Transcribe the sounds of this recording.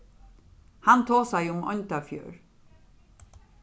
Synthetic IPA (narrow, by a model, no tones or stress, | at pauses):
hant̪ʰoːsæjʊmɔ̰nt̪afjø̰ːɹ